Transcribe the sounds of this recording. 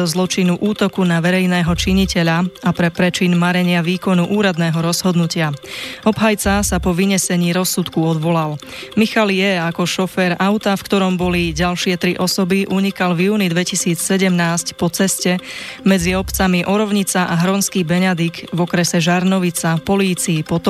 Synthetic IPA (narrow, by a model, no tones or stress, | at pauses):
ɔzlɔt͡ʃinuʔuːt̪ɔkunaʋɛɾɛjnɛːɦɔt͡ʃiɲicɛʎaapɾɛpɾɛt͡ʃinmaɾɛɲɪaʋiːkɔnuʔuːɾad̪nɛːɦɔɾɔz̥ɦɔd̪nucɪaɔbɦajt͡sasapɔʋiɲɛsɛɲiːɾɔsut̪kuɔd̪ʋɔlal | mixaljɛakɔʃɔfɛːɾaʊt̪afkt̪ɔɾɔmbɔliɟalʃɪɛt̪ɾiʔɔsɔbiʔuɲikalvjuːnid̪ʋɛcisiːt͡ssɛɟɛmnaːscpɔt͡sɛscɛmɛd͡ziɔpt͡samiʔɔɾɔʊɲit͡saʔaɦɾɔnskiːbɛɲad̪iɡvɔkɾɛsɛʒaɾnɔʋit͡sapɔliːt͡siːpɔt̪